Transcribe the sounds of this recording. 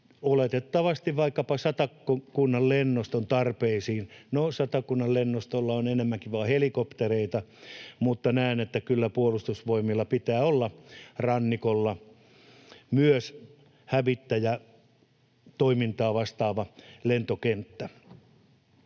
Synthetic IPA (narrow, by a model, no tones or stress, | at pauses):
olet̪et̪ːɑʋɑst̪iʋʋɑikːɑpɑsɑt̪ɑkːokunːɑllenːost̪ont̪ɑrpeisiːnnosɑt̪ɑkunːɑllenːost̪olːɑonenemːæŋkiʋɑːhelikopt̪ereit̪ɑmut̪ːɑnæinet̪ːækylːæpuolust̪usʋoimilːɑpit̪æːolːɑrɑnːikolːɑ | myøs | hæʋit̪ːæjæ | t̪oimint̪ɑːʋɑst̪ɑːʋɑlent̪okent̪ːæ